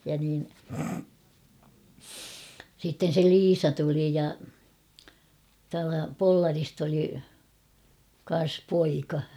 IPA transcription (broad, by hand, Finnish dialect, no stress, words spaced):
jɑ niːn sitːen̞ se liːsɑ tuli jɑ tuɑltɑ polːɑrist oli kɑn̞s poikɑ